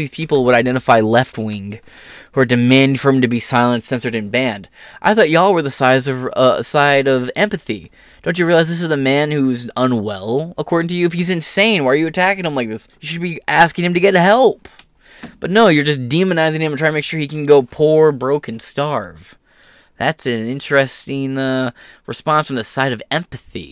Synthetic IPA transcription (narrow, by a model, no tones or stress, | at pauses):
iz̥pʰipl̩ˠwəɾaɪdɛ̃ɾ̃ɨfaɪlɛft̚wɪ̃ŋ | ə˞dɨmæ̃nd̥fə˞ɨ̃mtɨbisaɪlˠə̃ntsɛ̃nsə˞ɾɨ̃nbæ̃ndʔa̰ɪθɔt͡ʃɨɔlˠwə˞ðəsaɪzʌvʌ̰saɪɾʌvɛ̃mpɨθḭ | d̥õʊ̃nt͡ʃɨɹilaɪzðɪs̬ɨzəmæ̃nhuzə̃nwɛ̰lˠəkʰɔɹɾɪ̃ŋtʰɨjʉɨfhizɨ̃nsẽɪ̃nwaɪə˞jɨɨtʰækɪ̃ŋə̃mlaɪk̚ðɪsjɨʃɨd̚biʔæskɪ̃ŋɨmtɨɡɛɾ̚hɛlˠp | b̥ʌtⁿnoʊjə˞d͡ʒʌs̬d̥ĩmɨnaɪzɪ̃ŋɨ̃mntʰɹaɪtəmɪkʃʊɹhikn̩ɡoʊpʰuɹbɹoʊkʰɨ̃n̩stɑɹv̥ | ðætsɨ̃nɪ̃nt͡ʃɹ̥ɛstɪ̃ŋʌɹɨspɑ̃nsfɹʌ̃mðɨsaɪɾʌvɛ̃mpɨθḭ